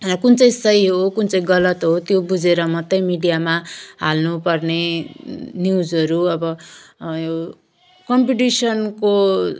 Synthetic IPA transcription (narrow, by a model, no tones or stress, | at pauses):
kunt͡sʌj̃sʌjɦokunt͡sʌjĩɡʌlʌt̪ɦot̪jobud͡zeɾʌmʌt̪ʌjmiɽijamaɦa̰lnupʌrne | niud͡zʌɾuʌbʌjo | kʌmpiʈisʌnko